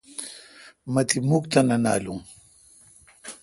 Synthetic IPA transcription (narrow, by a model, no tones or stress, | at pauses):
mat̪ʰimukt̪anana̰ːluŋ